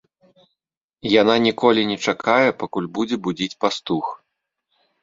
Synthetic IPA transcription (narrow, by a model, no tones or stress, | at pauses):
jan̪anʲikɔlʲinʲɛt͡ʂakajɛpakulʲbud͡zʲɛbud͡zʲit͡sʲpast̪ux